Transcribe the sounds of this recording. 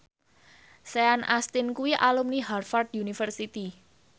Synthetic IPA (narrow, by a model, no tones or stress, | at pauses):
seanʔast̪ɪnkuwiʔalumniɦarfard̪unifərsit̪i